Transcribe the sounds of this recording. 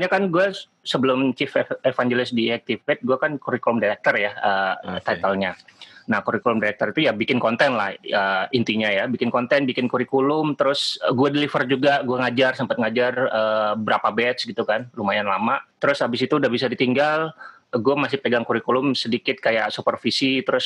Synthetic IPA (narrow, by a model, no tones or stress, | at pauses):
ɲakanɡua | səbəlʊmt͡ʃifɛefand͡ʒelɪsdiɛk̚t̪ifɛt̪̚ɡuakankuɾikulʊmdaɾɛk̚t̪ərjaət̪at̪alɲanahkuɾikulʊmdaɾɛk̚t̪əɾit̪ujabikɪnkɔnt̪ɛnlahəint̪iɲajabikɪnkɔnt̪ɛnbikɪnkuɾikulʊmt̪əɾʊsɡuadilifərd͡ʒuɡaɡuaŋad͡ʒarsəmpat̪̚ŋad͡ʒarəːəbəɾapabɛt̪sɡit̪ukanlumajanlamat̪əɾʊsabɪsit̪uːdahbis̬adit̪iŋɡal | ɡuamasɪhpəɡaŋkuɾikulʊmsədikɪt̪̚kajaʔsupərfisit̪əɾʊs